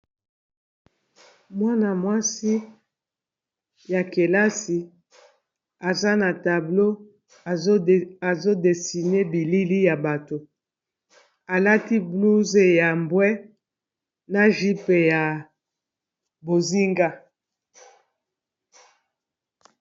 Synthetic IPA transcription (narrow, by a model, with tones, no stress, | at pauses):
mwa˦na˨mwa˦si˦ | ja˨ke˨la˦si˨ | a˨za˦na˨ta˨blo˦˨˦ | a˨zo˦de˨si˨ne˦bi˨li˦li˦ja˨ba˨to˨ | a˨la˦ti˦blu˦ze˨ja˨mbwɛ˦ | na˨ʒi˦pe˨ja˨ | bo˨zi˦ŋɡa˦